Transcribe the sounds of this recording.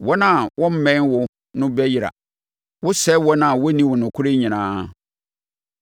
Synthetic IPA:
wɔ˦nã˦˨wʔɔ̃˦m̩˦mɛ̃˦nwʊ˦ | nʊ̃˦bɛ˦ji˨ɾa̰˨ | wʊ˦sɛ˦wɔ˦nã˨wɔ˦nĩ˦wʊ˨nʊ̃˨kʰʊ˦ɾɪ˦ɲĩ˨nãː˦

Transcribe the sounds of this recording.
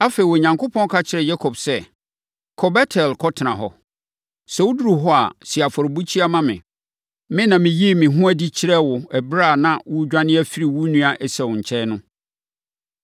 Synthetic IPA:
a˦fe˨i˨wɔ˨ɲã˨ŋkʰʊ˦pʰɔ̃˦n˦kʰa˦t͡ɕʰɪ˨ɾɛ˨ja˦kʰɔ˨bsɛ˦ | kʰɔ˨bɛ˦tʰɛ˨lkʰɔ˦tʰɪ˨nã˨ɦɔ̰˨ | sɛ˨wʊ˦du˦ɾu˨ɦɔ˦a̰˨si˨a˨fɔ˨ɾbu˦t͡ɕʰi˦a˦mã˦mɪ̰̃˨ | mɪ̃˦nã˨mɪ̃˨ji˦˨mɪ̃˨ɦʊ̃˦æ˦di˦t͡ɕʰɪ˦ɾɛ˦wʊ˨ɛ˨bɾa˦˨nã˨wʊ˦d͡ʑᶣã˦nɪ̃˦æ˦fi˦ɾi˨wu˦nũ˦a˨ʔɛ˨sɛ˨wʊ̃˨ɲ̩˨t͡ɕʰɛ˦nʊ̃˦

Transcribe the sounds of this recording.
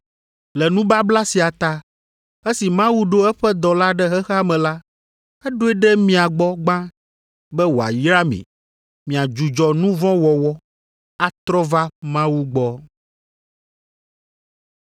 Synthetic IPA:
lɛ˨nũ˦ba˦bla˦si˨a˨t̪a˦ | ɛ˦si˨mã˦wu˦ɖo˦ɛ˦ɸɛ˦d̪ɔ˨la˦ɖɛ˦ɦɛ˦xa˦mɛ̃˨la˦ | ɛ˦ɖo˦ɛ˦ɖɛ˦mĩ˨a˨ɡ͡bɔ˦ɡ͡bã˦ | bɛ˦wo˨a̰˨jɾa˦mḭ̃˨ | mĩ˨a˨d͡ʒu˨d͡ʒɔ˨nũ˦vɔ̃˦wɔ˨wɔ˦ | a˨t̪ɾɔ˦va˦mã˦wu˦ɡ͡bɔ˦

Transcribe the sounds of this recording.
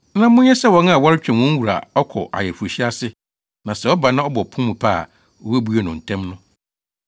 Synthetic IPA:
nã˦mʊ̃˦ɲ˦ɛ˦sɛ˦wɔ̃˨n˦a˦˨wɔ˦ɾɪ˦t͡ɕᶣɛ̃˨nwɔ̃˦n˦wu˨ɾa̰˨ɔ˦kʰɔ˨ʔa̰˨jɛ˨fu˨ɕi˦a˦sɪ˦ | nã˨sɛ˨ɔ˦ba˨nã˦ɔ˦bɔ˨pʰʊ̃˦mũ˨pʰa˦˨ | ɔ˦wæ˦bu˦a˨nʊ̃˨n̩˨tʰɛ̃˦mnʊ̃˦

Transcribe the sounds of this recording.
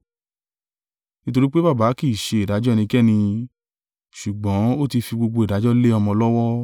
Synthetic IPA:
nĩ˦to˧ɾi˦k͡pe˦ba˦˨baː˨˦ki˦˨ʃe˧i˨da˨˦d͡ʒɔ˦˨nĩ˧kɛ˦˨nĩ˧ | ʃu˨ɡ͡bɔ̃˨˦o˦˨ti˧fi˧ɡ͡bo˧ɡ͡bo˧i˨da˨˦d͡ʒɔ˦le˦ɔ˧mɔ̃˧lɔ˦wɔ˦

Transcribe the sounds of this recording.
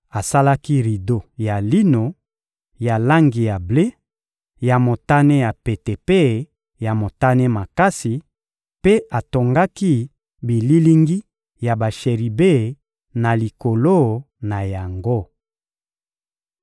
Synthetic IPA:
a˨sa˦la˦ki˦ʁi˨do˨ja˨li˦no˨ | ja˨la˦ŋɡi˨ja˨ble˦ | ja˨mo˨ta˦ne˦ja˨pe˨te˨pe˦˨ | ja˨mo˨ta˦ne˦ma˨ka˦si˨ | pe˦a˨to˨ŋɡa˦ki˦ | bi˨li˦li˦ŋɡi˦ | ja˨ba˨ʃe˨ʁi˨be˦˨ | na˨li˨ko˨lo˦ | na˨ja˨ŋɡo˦˨

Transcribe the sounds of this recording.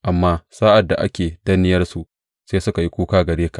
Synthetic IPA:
ʔa˨mːaː˦saː˦ʔa˨dːa̰˨ʔa̰˦kʲeː˨dɐ˦nɪ˦jɐ˦rsu˨ʔ | seː˦sʊ˦ka˨ji˦kʷuː˦kaː˦ɡɐ˨ɽeː˦ka˨ʔ

